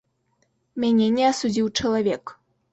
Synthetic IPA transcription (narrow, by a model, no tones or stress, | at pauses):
mʲanʲɛnʲɛasud͡zʲiwt͡ʂɐlˠavʲɛk